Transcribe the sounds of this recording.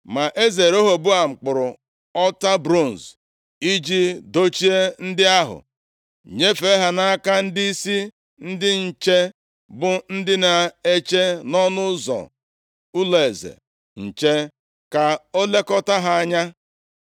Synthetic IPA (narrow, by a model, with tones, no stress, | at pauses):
ma˨ʔe˦ze˨ɾo˦ɦo˨bu˦a˨ŋ͡m̩˨k͡pʊ˨ɾʊ˨ | ɔ˦ta˦bɾo˦˨n˨z | i˦d͡ʒi˦do˦t͡ʃi˦e˦n̩˦dɪ˦a˦ɦʊ̰˨ | ɲe˦fe˦ɦa˨na˦a˦ka˦n̩˦di˦i˦si˦ | n̩˦dɪ˦n̩˨t͡ʃe˦ | bʊ˨n̩˦dɪ˦na˨e˦t͡ʃe˦nɔ˦nʊ˦zɔ̰˨ | ʊ˦le˨zḛ˨ | n̩˨t͡ʃe˦ | ka˨o˦le˦kɔ˦ta˦ɦa˦a˦ɲa˦